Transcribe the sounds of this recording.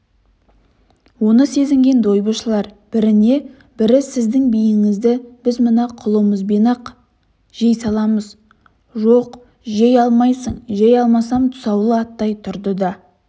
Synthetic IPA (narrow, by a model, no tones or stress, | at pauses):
wo̞nəse̞zɪŋɡʲe̞nd̪o̞jbəʃəlˠɑɾb̥ɪɾɪne̞ | b̥ɪɾɪsɪzd̪ɪŋbijɪŋɪzd̪ɪb̥ɪzmənɑqʰʊlˠəməzbe̞nɑq | ʒ̥e̞jsɑlˠɑməz | ʒo̞q | ʒejɑlˠmɑjsəɴʒejɑlˠmɑsɑmt̪ʰʊ̥sɑwlˠəɑt̪ːɑjt̪ʰʊɾd̪əd̪ɑ